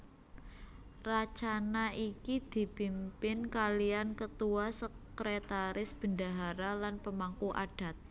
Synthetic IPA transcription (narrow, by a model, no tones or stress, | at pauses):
rat͡ʃanaikid̪̥i̤pimpɪnkaliankət̪uasəkɾet̪aɾɪsb̥əndaɦaɾalanpəmaŋkuʔad̥a̤t̪̚